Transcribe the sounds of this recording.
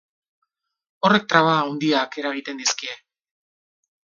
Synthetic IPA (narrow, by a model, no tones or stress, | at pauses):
o̞re̞k̚t̪ɾaβaːwnd̪iake̞ɾaɣ̞it̪e̞nd̪iskie̞